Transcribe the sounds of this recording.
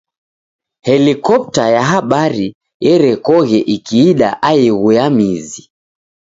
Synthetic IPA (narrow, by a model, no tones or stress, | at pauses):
hɛlikɔp̚tajaɦaɓaɾi | jɛɾɛkɔɣɛʔikiːɗa̰ʔaiɣuamizi